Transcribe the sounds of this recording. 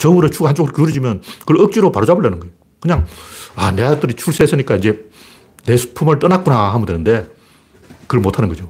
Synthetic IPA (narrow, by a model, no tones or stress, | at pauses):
t͡ɕʌmɯɾet͡ɕʰuɡahant͡ɕ͈oɡɯɾokjuɾɯd͡ʑimjʌnkɯɯk̚t͡ɕ͈iɾopaɾɯd͡ʑaboɭːanɯnŋɡʌejo | kɯɲaŋaneatɯɾit͡ɕʰuɭs͈ʰes͈ʰɯɲik͈aind͡ʑe̞ | nesʰu̥pʰumɯɭt͈ʌnak͈unaɦamɯndwenɯnde̞ | kɯɾɭmotʰanɯnɡʌd͡ʑo